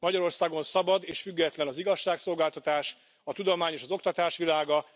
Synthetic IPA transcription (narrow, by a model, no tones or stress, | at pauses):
mɒɟɒɾo̞rsaːɡo̞nsɒbɒd̪eːʃfyɡːɛt̪lɛnɒziɡɒʃːaːkso̞lɡaːlt̪ɒt̪aːʃ | ɒt̪ud̪o̞maːɲeːʃɒzo̞k̚t̪ɒt̪aːʃʋilaːɡɒ